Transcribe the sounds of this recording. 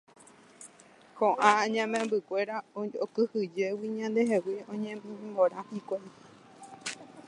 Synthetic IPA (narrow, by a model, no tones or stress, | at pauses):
hõʔãɲãmẽmbɨkʷe̞ɾaookɨhɨd͡ʒe̞wiɲãnd̪eɦewiõɲẽmbimõɾãhikʷai